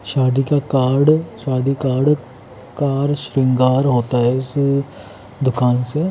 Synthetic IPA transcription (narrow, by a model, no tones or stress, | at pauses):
ʃaːd̪iːkakaːɾɖʃaːd̪iːkaːɾɖ | kaːɾʃɾɪ̃ŋɡaːɾɦoːt̪aːɦɛɪs | d̪ʊkaːnse